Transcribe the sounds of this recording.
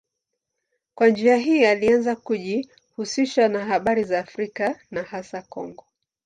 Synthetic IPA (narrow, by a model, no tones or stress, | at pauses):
kwand͡ʒiaɦiːalianzakuʄi | husiʃanaɦaɓaɾizaːfɾikanahasakɔ̰ŋɡɔ